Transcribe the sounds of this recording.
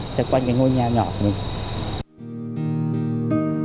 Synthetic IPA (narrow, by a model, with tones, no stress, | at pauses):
t͡ɕə˧kwa˧ŋkaː˨˦ŋo˧jɲaː˨˩ɲɔ̰˧˨t̪ːmi˨˩ŋ